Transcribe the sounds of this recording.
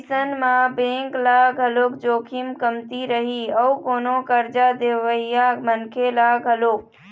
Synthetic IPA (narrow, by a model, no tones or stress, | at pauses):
sənmãbẽːŋklaɡʱəloːkd͡ʒoːkʰimkəmt̪iɾəɦiəukoːnokəɾd͡ʒad̪eʋəijamənkʰelaɡʱəloːk̚